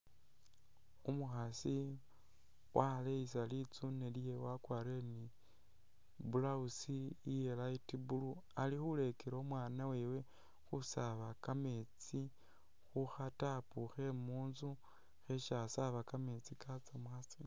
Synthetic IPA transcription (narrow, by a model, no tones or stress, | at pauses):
umuxasi | wʔaleis̬alit͡sunelije̞wakwaːɾeni | bulausijelaitibulualixule̞keɾoomwaːnawe̞we̞ | xusaβakame̞t͡si | xuxatapuxe̞muːnzu | xeʃasaβakame̞t͡sikʰat͡samuxasi